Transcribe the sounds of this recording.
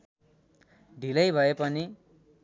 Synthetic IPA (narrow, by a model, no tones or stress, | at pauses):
ɖʱilʌjbʱʌepʌni